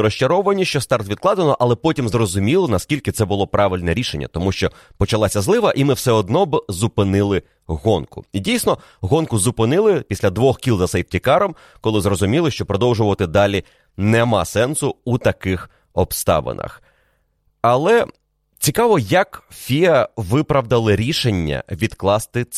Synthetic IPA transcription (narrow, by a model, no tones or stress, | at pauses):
ɾɔʃt͡ʃɐɾɔʋɐnʲiʃt͡ʃɔst̪ɑrt̪ʋʲid̪̚klˠɑd̪enɔʔɐlˠɛpɔtʲimzrɔzʊmʲilˠɔnɐskʲilʲkɪt̪sɛbʊlˠɔpɾɑʋʲɪlʲnɛɾʲiʃenʲːɐ̰t̪ɔmuʃt͡ʃɔ | pɔt͡ʃɐlˠɑsʲɐzlˠɪʋɐʔimɪwsɛɔd̪nɔbzʊpɪnɪlˠɪ | ɣɔnkʊ̰idʲijsʲnɔ | ɦɔnkʊzʊpɪnɪlˠɪpʲisʲlʲɐd̪ʋɔxkʲilˠzɐsɛjp̚tʲikɑɾɔm | kɔlˠɪzrɔzʊmʲilˠɪʃt͡ʃɔpɾɔd̪ɔwʒʊʋɐt̪ɪd̪ɑlʲi | nɛmɑ̰sɛnsʊut̪ɐkɪx | ɔbst̪ɑ̰ʋɪ̰nɐ̰x | ɐlˠɛ | t͡sʲikɑʋɔjɐkfʲiɐʋɪpɾɐʋd̪ɐlˠɪɾʲiʃenʲːɐ̰ʋʲid̪klˠɑst̪ɪ